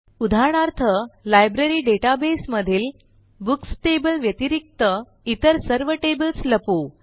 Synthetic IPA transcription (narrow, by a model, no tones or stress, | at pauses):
ud̪ʱaɳ̃aɾt̪ʰəlajbɾeɾiːɖeʈabesməd̪ʱiːl | buksʈebəlʋjət̪iɾik̚t̪ə | it̪əɾsəɾʋəʈebəlsləpo